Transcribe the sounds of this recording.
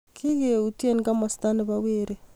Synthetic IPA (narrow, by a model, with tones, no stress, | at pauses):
kʰi˦ɣe˨u˨tje˦nka˦ma˨sta˦ni˨βa˨we˦ɾe˦